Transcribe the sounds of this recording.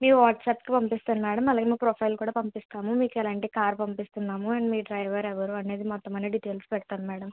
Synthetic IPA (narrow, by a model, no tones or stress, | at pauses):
miːkuʋaːʈsaːpkipɐmpist̪aːnimɛːɽɐmɐlaːɡemiːkupɾoːpʰɐjlkuːɽaːpɐmpist̪aːmumiːkɛlaːɳʈikaːɾpɐmpist̪unːaːmuɐnimiːɖɾɐjʋɐɾɛʋɐɾuɐne̞ːd̪imɔt̪ːɐmɐneɖiʈeːlspɛɽt̪aːnimɛːɽɐm